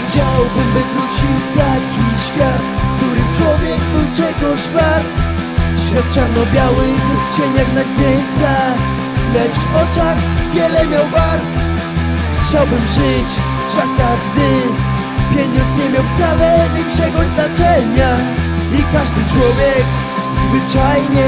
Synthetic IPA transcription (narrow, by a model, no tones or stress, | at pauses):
xt͡ɕawwbɨmvɨvɾut͡ɕiwt̪akʲiɕfʲjat̪kt̪uɾɨt͡ʂwɔvʲjɛɡd̪ut͡ɕɛɡɔɕfʲaɾt̪ | ɕfʲjat̪̚t͡ʂaɾnɔbʲjawɪxt͡ɕɛɲaxnapʲjeɲt͡ɕa | lɛt͡ʂvɔt͡ʂaxvʲjɛlɛmʲjawvaɾt̪ | xt͡ɕawbɨmʐɪt͡ɕ | z̥akaʐd̪ɪ | pʲjɛɲɔnsɲɛmʲjawft̪salɛlʲiŋkʂɛɡɔznat͡ʂɛɲaikaʐd̪ɨt͡ʂwɔvʲjɛk | zvɨt͡ʂajɲɛ